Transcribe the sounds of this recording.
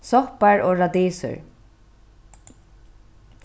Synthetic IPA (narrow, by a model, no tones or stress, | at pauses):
sɔhpaɹʔoːɹad̪eːsə̰ɹ